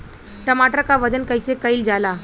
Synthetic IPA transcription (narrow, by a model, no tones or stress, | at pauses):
ʈəmaʈəɾkaʋəd͡ʑənkəjsekəild͡ʒala